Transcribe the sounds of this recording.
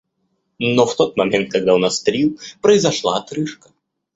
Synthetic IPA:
noft̪o̞t̪̚mɐmʲent̪̚kɐɡ̚d̪aunast̪ɾʲilˠpɾəɪzɐʂlˠa̰ɐt̪ɾɨʂkə̥

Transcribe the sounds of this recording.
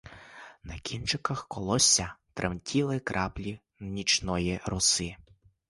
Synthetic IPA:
nɐkʲint͡ʃɪkɐxkɔlˠɔsʲːɐt̪ɾʔḛmtʲʰilˠɪkɾʔɑplʲi | nʲit͡ʃnɔjiɾɔsɪ

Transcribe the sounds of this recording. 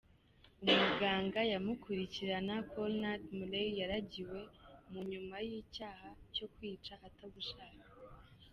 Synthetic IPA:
umuɡaːŋɡajamukʰuɾiciɾanakʰolnadmulejaɾaɟiwe̞muɲumajiːcaːhaco̞kwiːt͡ʃahataɡuʃaːkḁ

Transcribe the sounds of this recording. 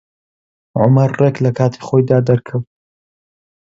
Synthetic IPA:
ʕʊmɐɾreklɐkʰaːt̪ʰi̥χoːjd̪aːd̪ɐɾkʰɐw

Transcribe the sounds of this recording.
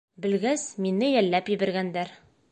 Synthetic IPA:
bɘ̆lɡæsminːɘjælːæpjɘ̆bæ̆ɾɡænd̪æɾ

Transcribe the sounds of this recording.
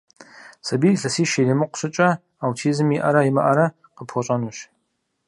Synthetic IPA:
sɐbiːɬɐsiːʃelɪmɨqʷɕɪt͡ʃʼɐ | awtʰiːzɨmiʔɐɾɐjimɐ̰ʔɐɾɐ | qəpʰχʷɔɕʼɐnuːɕ

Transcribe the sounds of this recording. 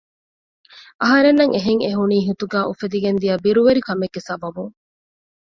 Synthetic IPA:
ʔɐɦɐɾenːɐŋʔeɦeŋeɦuniːɦit̪uɡæːʔufed̪iɡend̪iɐbiɾuʋeɾikɐmeɡːesɐbɐbuŋ

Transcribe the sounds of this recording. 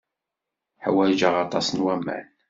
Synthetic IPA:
ħwæd͡ʒəʁɑt̪ˤɑsənwæmːæ̰n

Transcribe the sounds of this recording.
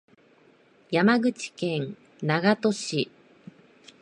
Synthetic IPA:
jamaɡɯ̟t͡ɕi̥kẽ̞ŋ | naɡat̪o̞ɕi

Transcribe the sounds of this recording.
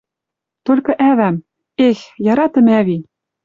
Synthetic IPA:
t̪olʲkɤ̆ʔæβæm | exjɑɾɑt̪ɤ̆mæβi

